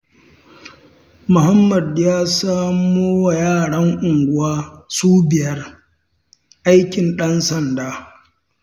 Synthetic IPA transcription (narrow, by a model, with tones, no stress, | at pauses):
mʊ˨ha˦mːɐ˨djaː˦saː˦moː˦wa˨jaː˦˨ɽɐ˦ŋʔʊ˨ŋɡʷʊ˦waː˦suː˦bɪ˨jɐ˦r | ʔa˦jkʲɪ˨nɗɐ˦nsɐ˨ndaː˦